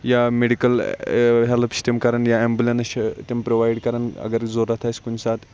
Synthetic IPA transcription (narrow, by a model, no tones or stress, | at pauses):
jameɽikəlɦelpsʈemkaɾəɳjaembulenəɕet̪empɾoʋajɽkəɾəɳə̰ɡəɾd͡zoɾːat̪ʰajskunsat̪